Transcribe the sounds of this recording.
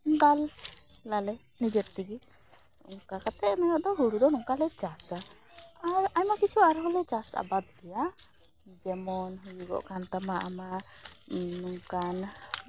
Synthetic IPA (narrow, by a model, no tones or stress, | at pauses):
ɡallalɛ | nid͡ʒɛɾt̪iɡi | ṵŋkakat̪ʰɛːnaɡaʔd̪ɔɦuɽud̪ɔnuŋkalɛt͡ʃasa | aɹajmakit͡ʃʰuaɾɦɔlɛt͡ʃasa̰bad̪̚ɡija | d͡ʒɛmɔnɦujuɡɔ̰ʔkʰant̪amaʔa̰ma | nuŋkan